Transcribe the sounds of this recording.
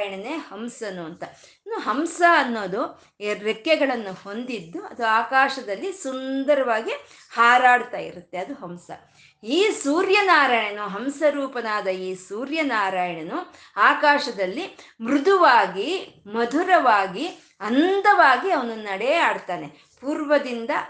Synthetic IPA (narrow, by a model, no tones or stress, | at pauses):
jɐɳɐneːhɐmsɐnuɐnt̪ɐinuɦɐmsɐɐnːo̞ːd̪u | ɾekjɛɡɐɭɐnːuho̞nd̪id̪ːuɐ̰d̪uaːkaːʃɐd̪ɐlːisund̪ɐɾɐʋaːɡi | haːɾaːɽt̪aːjḭɾut̪ːe̞ɐd̪uɦɐmsɐ̰ | iːsuːɾjɐnaːɾaːjɐɳɐnuɦɐmsɐɾuːpɐnaːd̪ɐiːsuːɾjɐnaːɾaːjɐɳɐnu | aːkaːʃɐd̪ɐlːimɾud̪ʱuʋaːɡimɐd̪ʱuɾɐʋaːɡi | ɐnd̪ɐʋaːɡiɐʋɐnunɐɽɛaːɽt̪aːne̞ | puːɾʋɐd̪ind̪ɐ